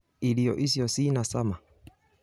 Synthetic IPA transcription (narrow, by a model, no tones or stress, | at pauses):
iliɔ̰ʔisiɔsinasama